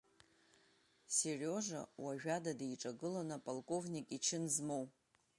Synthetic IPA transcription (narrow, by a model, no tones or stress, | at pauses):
serʲo̞ʐa̰waʒᶣadadajʈ͡ʂʼaɡɨlanapʼalˠkʼo̞vnʲikʼit͡ʃʰɪnzmow